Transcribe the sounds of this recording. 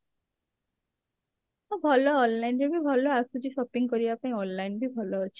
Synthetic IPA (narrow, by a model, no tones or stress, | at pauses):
ɔbʱɔlɔːnlajnɾebʱibʱɔlɔasud͡ʒiʃɔpiŋkɔɾibapaĩɔnlajnbʱibʱɔlɔːt͡ʃʰi̥